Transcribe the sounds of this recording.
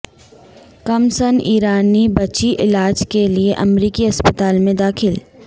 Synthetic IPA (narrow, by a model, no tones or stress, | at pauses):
kɐmsəniːɾaːnibɐt͡ʃiʔɪlaːd͡ʒkelieʔɐmɾiːkiɐspət̪aːlmẽd̪aːxʰɪl